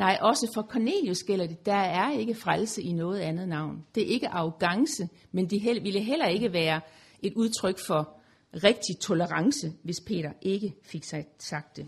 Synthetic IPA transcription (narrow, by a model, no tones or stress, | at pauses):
nɑ̈ɪ̰ʔɒ̽səfɒ̽kʰɒne̝̰ːljosɡ̥el̰ɐd̥e̝d̥æ̈æɐe̝ɡ̥əfʁalsəʔinɔ̽ːð̞̩ˠænð̞̩ˠnɑ̈ʊ̰nd̥e̝æɐe̝ɡ̥əʔɑ̈ʊɡ̥ɑ̈ŋsə | mend̥iɦeʋiləɦel̰ɐe̝ɡ̥əʋæːɐ | ʔe̝d̥uð̞ˠt͡sʰʁœɡ̥fɒ̽ | ʁeɡ̥̚d̥it͡sʰo̝ləʁɑ̈ŋsəʋe̝spʰe̝̰ːɾ̥ɐʔe̝ɡ̥əfe̝ɡ̥ssɑ̈ɡ̥̚d̥e̝